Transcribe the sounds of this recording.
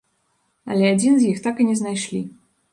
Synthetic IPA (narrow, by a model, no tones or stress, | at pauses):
ɐ̰lʲɛad͡zʲinzʲjixt̪akɨnʲɛznajʂlʲi